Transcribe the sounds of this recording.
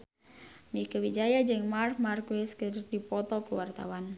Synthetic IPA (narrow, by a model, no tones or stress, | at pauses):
mikəwid͡ʒajad͡ʒɨŋmarkmarkweskərdipɔt̪ɔkuwart̪a̰wan